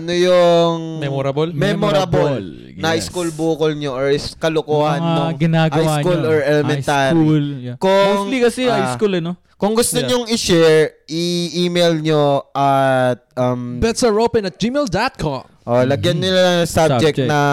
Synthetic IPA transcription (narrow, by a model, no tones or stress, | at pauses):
ʔɐnojʊŋmɛɾɐblmɛmoɾɐbol | nɐʔɪskulbuːkʊlɲoʔoɹkɐlʊkoːhɐnːoŋɡɪnaːɡhɐajskulɔɹɛlɛmɛt̪aːɾikʊŋlikɐsɛajskulɐno | kʊŋɡʊst̪oɲoŋɪʃɛɹʔɪʔiːmejlɲoʔɐt̪̚ʔɐmbɛt̪sɐɹopɛnɐt̪̚d͡ʒimeld̪at̪̚kʰɔm | ʔolɐɡjɐnɲɪlaɐɐsabd͡ʒɛk̚d͡ʒnɐ